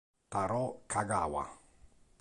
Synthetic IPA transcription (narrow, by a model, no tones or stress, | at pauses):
t̪aɾɔkʰaɡa̰wa̰